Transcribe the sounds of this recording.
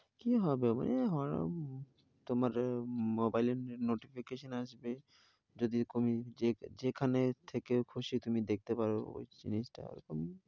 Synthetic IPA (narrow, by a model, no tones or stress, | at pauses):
kiɦɔbema̰neɦɔɾo̰ | t̪omaɾmobajlenoʈifʰikeʃonaʃbe | d͡ʑod̪it̪umied͡ʑekʰanet̪ʰekekʰuʃit̪umid̪ek̚ʰt̪epaɾo̰o̰jd͡ʒḭnisʈa̰ḛɾɔkom